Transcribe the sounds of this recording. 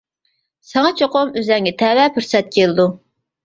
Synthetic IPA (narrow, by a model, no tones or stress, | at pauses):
sɑŋɑt͡ʃʰoqʊmøzɛŋɡʲɛt̪ʰɛwɛpʰyɾsɛt̪̚kʲʰelɨd̪u